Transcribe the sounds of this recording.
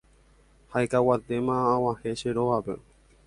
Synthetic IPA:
haekawat̪e̞mãːwãheʃeɾoʋape̞̰

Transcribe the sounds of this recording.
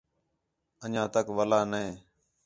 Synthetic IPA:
əɲãːt̪əkʋəlaːnəẽː

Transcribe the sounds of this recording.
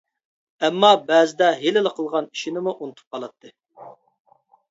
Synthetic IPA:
ɛmːɑbæːzɪd̪ɛɦelɪləqʰəlˠʁɑni̥ʃinɪmuʔunɨt̪ʰu̥p̚qʰɑlˠɑt̪ʰːɨ

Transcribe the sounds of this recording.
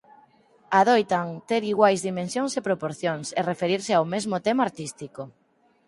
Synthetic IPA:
aðojt̪aŋt̪eɾiɣwajzðimẽnsjoŋsepɾopoɾθjoŋserefeɾiɾsɪawmezmot̪emaɾt̪ist̪iko

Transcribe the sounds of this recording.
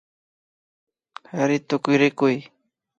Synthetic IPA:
haɾɪt̪ʊkʊjɾɪkʊj

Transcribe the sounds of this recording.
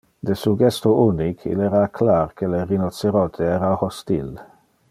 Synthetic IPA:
d̪esuɡɛst̪ouːnikʰḭlɛɾaːkʰlaːɾkʰəlerinɔt̪seɾɔt̪ʰeɛːɾahɔst̪il

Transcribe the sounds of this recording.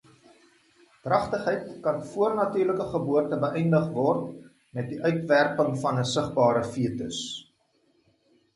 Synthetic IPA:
drɐχtəχɛjtkɐnfuərnɐtyːrləkəχəbuərtəbəʔɛjndəχvɔrt | mɛt̚diʔœɥtværpəŋfɐnəsəχbɑːɾəfiətəs

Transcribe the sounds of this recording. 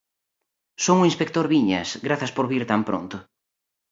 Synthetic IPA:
soŋʊĩnspek̚t̪oɾβiɲɐ̰sɡɾaθɐspoɾβiɾt̪ampɾo̰nt̪ʊ

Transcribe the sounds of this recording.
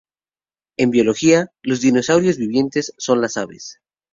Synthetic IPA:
e̞mbjo̞lo̞xialo̞zðino̞sawɾjo̞zβiβje̞nt̪e̞sːo̞nlasaβḛs

